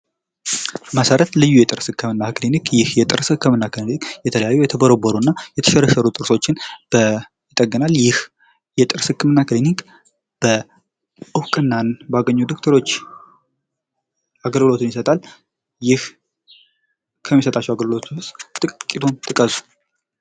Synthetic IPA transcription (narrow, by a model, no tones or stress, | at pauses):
məsəɾət̪lɨjːujɛt̪ʼɨɾsɨkʰːɨmɨnːaklinikjɪhjɛt̪ʼɨɾshɨkːɨmɨnːaklinikjɛt̪ʰələjajːujɛt̪ʰəbəɾobəɾunːajɛt̪ʰə̥ʃɛɾəsəɾut̪ʼɨɾso̞t͡ʃːɪnb̥ə | jɪt̪ʼəɡːənaljɪh | jɛt̪ʼɨɾsɨkːɨmɨnːaklinik | b̥ə | ʔɨwkʼɨnːanbaɡəɲːud̪ok̚t̪ʰəɾo̞t͡ʃː | aɡəlɡɨlo̞t̪ʰɨnjɪsət̪ʼal | jɪh | kʰəmːisət̪ʼat͡ʃːɛwaɡəlɡɨlot̪ʰunwʊst̪ʼɨkʼːit̪ʰont̪ʰɨkʼəzu̥